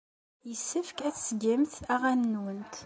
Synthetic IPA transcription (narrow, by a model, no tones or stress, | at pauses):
jəsːəfkæθsəɡimθæʁænːunt̪